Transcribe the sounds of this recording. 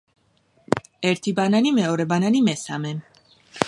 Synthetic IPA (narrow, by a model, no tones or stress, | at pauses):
ɛɾt̪ʰibananimɛɔɾɛbananimɛsamɛn